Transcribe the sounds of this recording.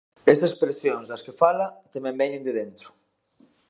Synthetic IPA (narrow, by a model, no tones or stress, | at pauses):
est̪ɐspɾesjoŋzðɐskefalɐt̪emɛ̃mbɛɲẽnd̪eðent̪ɾʊ̥